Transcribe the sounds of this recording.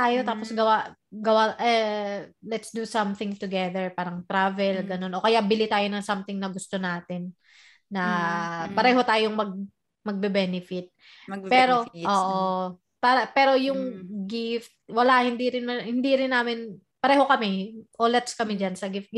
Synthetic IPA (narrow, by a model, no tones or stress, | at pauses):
t̪aːjo̞t̪aːposɡɐwaɡɐwaʔɛ | lɛt̪sd̪usɐmθɪŋt̪ʊɡɛðɛɹpaːɾɐŋt̪ɾavɛlɡɐno̞nʔo̞kɐjaʔbɪlit̪aːjo̞nɐŋsɐmt̪ɪŋnɐɡʊst̪o̞naːt̪ɪnː | ɐpɐɾɛːɦo̞t̪aːjoŋmɐɡ̚ | mɐɡ̚bɛbɛnɪfɪt̪̚ | pɛːɾo̞ʔoʔo | paːɾɐpɛːɾo̞jʊŋɡɪft̪̚wɐlahɪnd̪iɾɪnmɐhɪnd̪iɾɪnːaːmɪn | pɐɾɛːɦo̞kɐmɛʔolɛt̪skɐmɛd͡ʒansɐɡɪft̪̚ɡ